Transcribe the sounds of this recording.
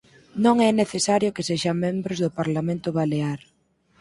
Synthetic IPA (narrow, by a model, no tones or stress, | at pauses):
nõŋɛneθesaɾjʊkeseʃamẽmbɾʊzðʊpaɾlamẽnt̪ʊβaleaɾ